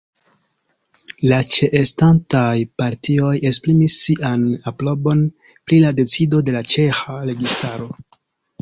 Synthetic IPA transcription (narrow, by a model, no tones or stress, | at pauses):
lat͡ʃe̞ʔestantajpaɾtio̞je̞spɾimisːiʔanaplo̞bo̞n | pɾilade̞t͡sido̞de̞lat͡ʃe̞xaɾe̞ɡistaɾo̞